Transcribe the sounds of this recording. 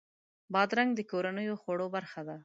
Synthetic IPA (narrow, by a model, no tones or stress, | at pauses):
bɑd̪ɾaŋɡd̪əkoɾanəjoxwaɽobaɾxad̪a